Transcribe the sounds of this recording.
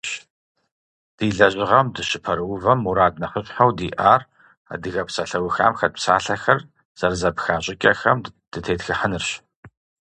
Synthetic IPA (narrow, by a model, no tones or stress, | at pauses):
ɕ | d̥iːɮɐʑʼɪʁɐmdɨɕɪpʰɐɾɨwʊvɐmuɾaːd̚nɐfəɕʼħawdiːʔaːr | a̰dɨɣɐpsɐɬɐwʊxa̰ːmxɐd̚psaːɬɐxɐr | z̥ɐrzɐpxaːɕʼɪkʲʼɐxɐmd̥ɨtʰeːtxɨħənɨrɕ